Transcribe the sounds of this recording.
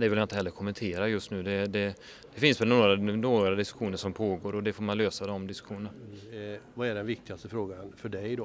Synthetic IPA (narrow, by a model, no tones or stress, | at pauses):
d̪ɛvɪljaɪt̪əhɛlːəɾkʰɔmːɛnt̪ʰeːɾajɵst̪nʉ̟ːd̪ɛd̪ɛ | d̪ɛfɪnsvɛlnoːɾanoːɡaɾad̪ɪskɵ̥ɧuːnəʂɔmpʰoːɡoːɾɔd̪ɛfoːɾmanløːsad̪ɔmd̪ɪskɵ̥ɧuːnəna | vaæɖɛnvɪk̚t̪ɪɡast̪əfɾoːɡanfœɖɛjd̪ɔ